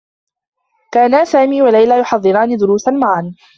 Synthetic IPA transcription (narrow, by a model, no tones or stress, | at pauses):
kaːnasaːmiːwalajlaːjʊħɑðˤːɨɾaːnid̪ʊɾuːsanmaʕan